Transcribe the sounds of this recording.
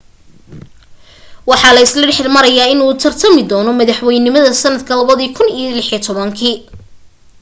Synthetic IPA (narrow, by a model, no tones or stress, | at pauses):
wɑħɑːlɐɪslɐɖħɪrmɐɾɐjaːɪnuːt̪ʰɐrt̪ʰɐmɪd̪ɔːnɔmɐðɐħwɛjnɪmɐðɐsɐnːɐd̪kʰɐlɐβɐðiːkʰʊnijlɪħit̪ʰɔβɐŋkʰiː